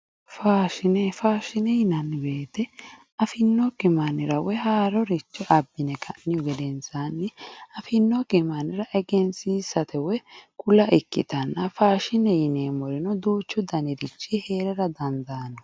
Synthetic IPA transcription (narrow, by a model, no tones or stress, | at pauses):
faːʃɪnɛfaːʃɪnɛjɪnɐnːbe̞ːt̪ɛ | ɐfɪnːɔkɪmɐnɪɾɐwɛɦaːɾɔɾɪt͡ʃːɔʔɐbːɪnɛkʰɐʔːɪjɔɡɛd̪ɛnsaːnːɪɐfɪnːɔkɪmɐnɪɾɐʔɛɡɛnsiːsɐt̪ɛwɛkʊlɐʔɪkːɪ̰t̪ɐnːɐfaːʃɪnɛjɪneːmɔɾɪnɔd̪uːt͡ʃːʊd̪ɐnɪɾɪt͡ʃːihe̞ːɾɛɾɐd̪ɐnd̪anːɔ